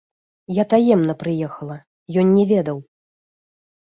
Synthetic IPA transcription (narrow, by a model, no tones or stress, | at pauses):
jat̪ajɛmnɐpɾɨjɛxɐlˠɐ | jɔnːʲɛvʲɛd̪ɐw